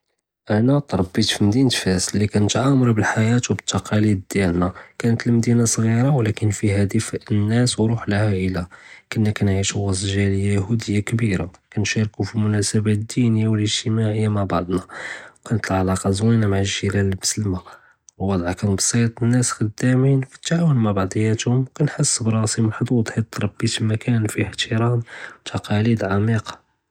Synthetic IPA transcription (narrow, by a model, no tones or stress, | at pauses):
ʔænæt̪ˤɾˤɑbːit̪fimd̪int̪fæslːikænət̪ʕamɾˤubəlħajæt̪wbət̪ːɑqʰɑlid̪d̪jælnækænət̪ələmd̪inasˤɣiɾɑwlækənfihæd̪ifnːæswɾuħləhæʔəlakʊnːækænʕiʃuwɑzʒæləjːahud̪əjːakbiɾa̰kænʃɑɾkufimʊnæsəbæt̪d̪ːinəjːawələʒt̪əmaʕəjːamaʕbɑʕd̪ˤnɑkʰænət̪əlʕalɑqɑzwinamaʕəʒilællməslma | wwɑd̪ˤʕɑkænbɑsˤit̪ˤənːæsxəd̪ːæminwkæt̪ːʕawənmaʕbɑʕd̪ˤəjæt̪hʊmkænħəsːbɾˤɑsiməlħd̪uwɑd̪ˤħit̪ːɾˤɑbːit̪imækʰænfiħt̪ʰəɾɑmwt̪ʰɑqɑlid̪ʕamiqɑ̥